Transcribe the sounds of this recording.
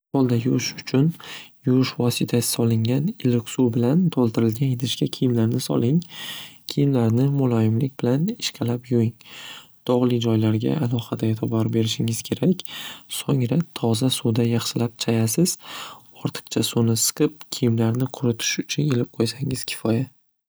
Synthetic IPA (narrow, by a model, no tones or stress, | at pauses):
ɒlˠd̪ajʊʃʊt͡ʃʰʊnjʊʃvɒsɪt̪ʰasɪ̥sɒlˠɪŋʲanɪlɪkʲsubɪlant̪ʰolˠt̪ʰɪɾɪlɡʲanjed̪ɪʃkʲakʲʰijɪmlaɾnɪsɒ̰lˠɪŋkʲʰijɪmlaɾnɪmʊlˠɒjɪmlɪk̚ʲbɪlanɪʃqʰɑlapjojɪŋ | d̪̥ɒʁlˠɪd͡ʒɒjlaɾɡʲa̰alˠɒhad̪aet̪ʰɪbɒɾbe̞ɾɪʃɪŋɪzkʲʰe̞ɾakʲsoŋɾat̪ʰɒzasud̪ajɑχʃɪlap̚t͡ʃʰajasɪz̥ɒɾt̪ʰɨ̥qt͡ʃʰasunɪsɨ̥qʰɨp̚kʲʰijɪmlaɾnɪqʰʊɾʊt̪ʰɪ̥ʃʊt͡ʃʰʊnelɪp̚qʰojsaŋɪz̥kʲʰɪ̥fɒja